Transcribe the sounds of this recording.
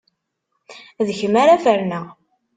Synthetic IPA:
ðəçəmaɾafəɾnəʁ

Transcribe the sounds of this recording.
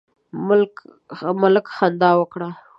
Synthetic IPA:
mʊlk | mʊlkxand̪ɑwəkɽa

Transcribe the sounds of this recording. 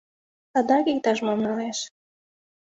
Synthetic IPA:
t̪ɑd̪ɑkik̚t̪ɑʃ̬momnɑleʃ

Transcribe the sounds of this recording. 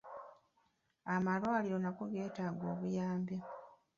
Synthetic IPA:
amalwaːliɾo̞nakoɡe̞ːtaːɡo̞̰ːβujaːmbe

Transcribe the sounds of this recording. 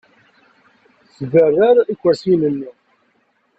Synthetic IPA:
svərːaɾikʷːæsinənːi

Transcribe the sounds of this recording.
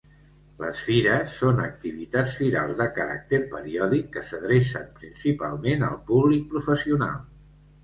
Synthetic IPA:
lə̰sfiɾəsːonək̚t̪iβ̞it̪at͡sfiɾa̰lˠzðəkəɾa̰k̚t̪erpəɾiɔðikːəsəðɾesə̰mpɾinsipalˠmenə̰lˠpuβlik̚pɾufəsiuna̰lˠ

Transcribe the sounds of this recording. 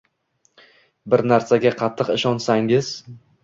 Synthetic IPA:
bɪɾnaɾsaɡʲaqʰɑt̪ʰːɨqɪʃɒnsaŋɪz̥

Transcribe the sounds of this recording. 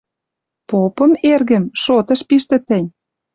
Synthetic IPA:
popɤ̆merɣə̆mʃot̪ɤ̆ʃpiʃt̪ə̆t̪ə̆nʲ

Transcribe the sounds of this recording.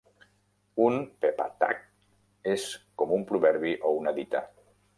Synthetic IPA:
unpepa̰t̪a̰k̚ | eskomumpɾuβɛɾβiʔounaðit̪a̰

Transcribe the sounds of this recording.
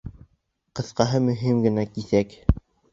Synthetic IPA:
qɤ̆θqɑɦɤmɵ̆ɦimɡɘ̆nækiθæk

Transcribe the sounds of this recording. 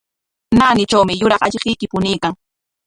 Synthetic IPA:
naːnɪt͡ʃawmɪjʊɾɑχaʎɢɪjkɪpʊnɪjkaŋ

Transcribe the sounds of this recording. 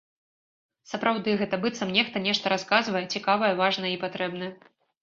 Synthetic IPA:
sɐpɾawd̪ɨɣɛt̪ɐbɨt̪sɐmnʲɛxt̪ɐnʲɛʂt̪ɐɾaskazvɐjɛt͡sʲikavɐjɛvaʐnɐipat̪ɾɛbn̪ɐjɛ

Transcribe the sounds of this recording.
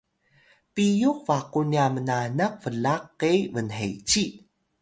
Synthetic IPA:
pijukvaquniamənanak̚fəɮaqːevənɦḛjt͡ɕi

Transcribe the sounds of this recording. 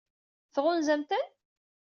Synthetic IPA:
θʁʊnzæmt̪ən

